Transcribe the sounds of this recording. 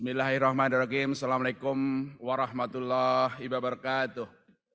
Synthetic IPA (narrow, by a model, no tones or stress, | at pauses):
bɪsmilaɦihrahmanirɑkimsalamalakʊmwaɾɑhmat̪ulːahibabaɾakat̪ʊh